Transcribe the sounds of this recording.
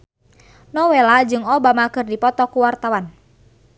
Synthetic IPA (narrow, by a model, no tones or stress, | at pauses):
nɔwelad͡ʒɨŋɔbamakɨrdipɔt̪ɔkuwart̪awan